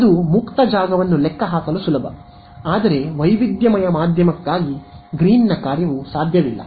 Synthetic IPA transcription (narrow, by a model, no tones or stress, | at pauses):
ɐd̪umukt̪ɐd͡ʒaːɡɐʋɐnːulɛkːɐɦaːkɐlusulɐbʱɐ̰ | aːd̪ɐɾe̞ʋɐjʋid̪jɐmɐjɐmaːd̪ʱjɐmɐkːaːɡiɡɾiːnnɐkaːɾjɐʋusaːd̪ʱjɐʋilːɐ̰